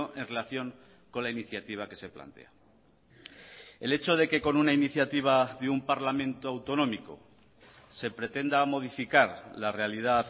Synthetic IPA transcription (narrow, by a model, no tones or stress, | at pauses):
oʔe̞nre̞laθjo̞ŋ | ko̞nlainiθjat̪iβ̞ake̞se̞pla̰nt̪e̞̰a | e̞le̞t͡ʃo̞ð̞e̞ke̞ko̞nunainiθjat̪iβ̞aðeumpaɾlamẽnt̪oawt̪o̞nõ̞miko̞̰ | se̞pɾe̞t̪e̞nd̪amo̞ð̞ifikaɾlare̞alið̞a